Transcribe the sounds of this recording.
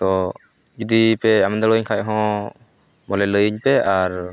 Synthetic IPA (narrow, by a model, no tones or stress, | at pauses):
t̪ɔ | d͡ʒud̪ipɛamɛnd̪alɔɲkʰac̚ɦɔ̃ | mɔlɛləjəɲpɛʔaɾ